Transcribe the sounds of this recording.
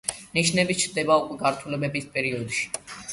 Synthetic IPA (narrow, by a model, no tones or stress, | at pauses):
niʃnɛbit͡ʃʰɾd̪ɛbaukʼwɛɡaɾt̪ʰulɛbɛbispʼɛɾiɔd̪ʃi̥